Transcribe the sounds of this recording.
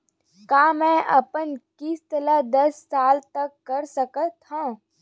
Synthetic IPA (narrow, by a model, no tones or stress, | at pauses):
kaːmɛ̃ːʔɐ̰pənkɪst̪əlad̪ɐsːaːlt̪ɐkːɐɾsəkət̪ʰːãː